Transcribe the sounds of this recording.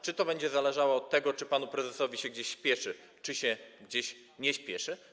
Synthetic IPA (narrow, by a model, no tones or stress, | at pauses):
t͡ʂɘt̪ɔbɛɲd͡ʑɛzalɛʐawɔɔt̪ːɛɡɔt͡ʂɘpanupɾɛzɛsɔvʲiɕɛɡ̚d͡ʑeɕɕːpʲjɛʂɘ | t͡ʂɘɕɛɡd͡ʑeɕ | ɲɛɕpʲjɛʂɘ